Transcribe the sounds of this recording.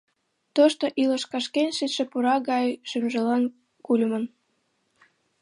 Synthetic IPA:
t̪oʃt̪oʔiləʃkɑʃkenʃit̪ʃĕpuɾɑɣɑjʃymʒəlɑn | kulʲə̆mən

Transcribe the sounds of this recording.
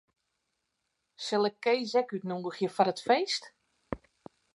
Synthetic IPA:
sɪlˠɪkːejzɛkytnuːəxjəfɔɾətfejst

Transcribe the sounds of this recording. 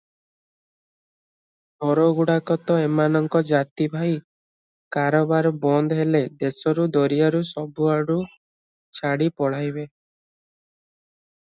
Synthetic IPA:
d̪ʱɔɾoɡuɽakɔt̪ɔemanɔŋkɔd͡ʒat̪ibʱaj | kaɾɔbaɾɔbɔnd̪ɔɦeled̪esɔɾud̪ɔɾijaɾusɔbʱuaɽu | t͡ʃʰaɽipɔɭ̤ajbe

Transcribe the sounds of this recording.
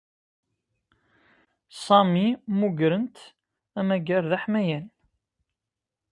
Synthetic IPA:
sˤɑmimuɡɾənt̪ | æmæɡəɾðæħmæjæn

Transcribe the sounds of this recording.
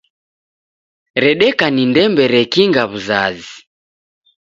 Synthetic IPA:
ɾɛɗɛkanindɛmbɛɾɛkiŋɡaβuzazi

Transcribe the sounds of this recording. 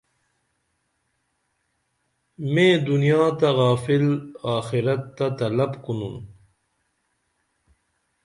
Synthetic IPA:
mẽːd̪unijɑːt̪aɣɑːfilaːxɪɾat̪ːat̪ɐlabkunun

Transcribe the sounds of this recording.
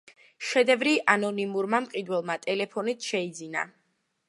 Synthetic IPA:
ʃɛd̪ɛvɾiʔanɔnimuɾmamqʼid̪wɛlˠmat̪ʼɛlɛpʰɔnit̪ʰʃɛid̪zina̰

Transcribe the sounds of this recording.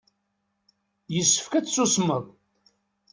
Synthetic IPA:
jəsːə̥fkæt͡sːt͡sːusməðˤ

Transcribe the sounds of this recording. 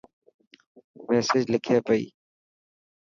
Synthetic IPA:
meːsed͡ʒlɪkʰeːpəḭː

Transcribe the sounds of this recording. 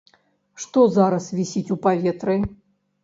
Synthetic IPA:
ʂt̪ɔzaɾɐsvʲisʲit͡sʲupavʲet̪ɾɨ

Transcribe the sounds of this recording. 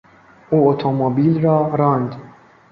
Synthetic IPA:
ʔuːot̪ʰomobiːlɾɒːɾɒnd̪

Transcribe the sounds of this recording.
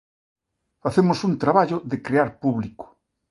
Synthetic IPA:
faθemʊsunt̪ɾaβaʎʊðɪkɾeaɾpuβlikʊ̥

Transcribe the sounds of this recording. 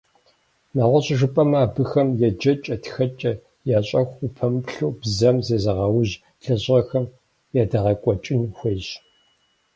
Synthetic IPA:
naːʁʷɔɕʼɪʐɨpʼɐmaːbɨxɐmjɛd͡ʒɐt͡ʃʼɐtʰxɐt͡ʃʼɐ | jaːɕʼɐxʷupʰɐmpɬuːbzɐmzeːzɐʁɐwʊʑ | ɬɐʑʁɐxɐm | jaːdɐʁɐkʷʼɔt͡ʃʼɪnxʷeːɕ

